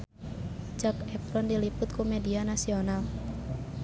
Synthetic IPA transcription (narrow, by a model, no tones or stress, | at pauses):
d͡ʒakɛpɾɔndilipʊt̪̚kumedianasional